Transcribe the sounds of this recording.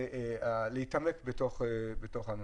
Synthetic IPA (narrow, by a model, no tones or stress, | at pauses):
lehitamekbetoχbeto̞χan